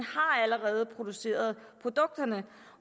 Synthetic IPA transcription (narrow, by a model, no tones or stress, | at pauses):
nhɑ̈æləʁɛːð̞ˠəpʰʁo̝d̥use̝̰ːɐð̞ˠpʰʁo̝d̥ɔ̽ɡ̥̚d̥ɐnə